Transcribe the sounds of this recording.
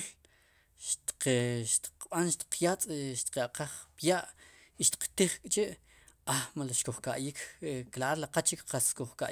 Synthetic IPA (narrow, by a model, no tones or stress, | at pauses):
l | ʃt̪qʃt̪i̥q͡χɓanʃt̪i̥q͡χʰjat͡sʼʃt̪i̥qaqaχpjaʔ | iʃt̪i̥qt̪iχkʼt͡ʃeʔ | amalaʃkuχkaʔjikʰeklaɾlaqat͡ʃikqaskuχka̰ʔ